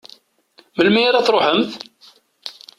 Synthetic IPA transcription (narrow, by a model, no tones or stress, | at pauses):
məlmijaɾæθɾˤoħəmθ